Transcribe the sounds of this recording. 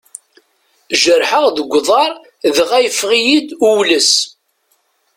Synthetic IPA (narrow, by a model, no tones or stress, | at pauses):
ʒəɾħəʁðəɡʷːðˤɑɾˤ | ðəʁæjəfʁijid̪uwləs